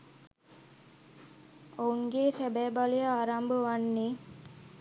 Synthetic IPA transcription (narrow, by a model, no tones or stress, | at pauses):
ouŋɡeːsæbɛːbalijəaːɾambəʋanːeː